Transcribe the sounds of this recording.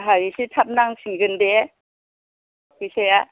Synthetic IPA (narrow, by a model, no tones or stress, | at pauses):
ɦaisitʰap̚naŋsiɡɯnde | kiseja